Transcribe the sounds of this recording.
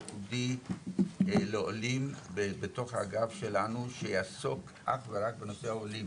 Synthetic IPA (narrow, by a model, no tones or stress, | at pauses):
udi | leolimbebeto̞χha̰ɡafʃe̞lanuʃejasok | ʔa̰χveʁak̚benoseaolim